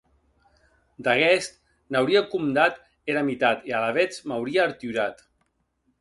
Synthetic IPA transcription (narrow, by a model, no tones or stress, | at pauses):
d̪aɣɛst̪ | nawɾiakumd̪at̪ | eɾamit̪at̪ialaβɛt͡smawɾiaːɾt̪yɾat̪